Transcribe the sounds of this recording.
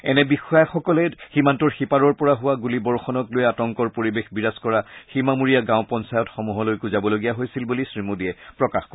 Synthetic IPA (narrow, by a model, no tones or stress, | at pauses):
ɛnɛbixɔjaxɔkɔlɛximantɔɹxipaɹɔɹpɔɹaɦʊwaɡulibɔɹxɔnɔklojɛatɔŋkɔɹpoɹibexbiɹaskɔɹaximamuɹijaɡãʊpɔnsajɔtxɔmuɦɔlojkuzabɔloɡijaɦojsilbulisɹimudiɛpɹɔkaxkɔ